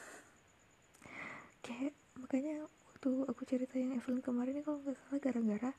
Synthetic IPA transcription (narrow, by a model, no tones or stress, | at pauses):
kajaʔ | makaɲawat̪uakut͡ʃəɾit̪ajaŋɛflɪnkəmaɾɪnːikalŋɡaʔsalaɡaɾaŋɡaɾa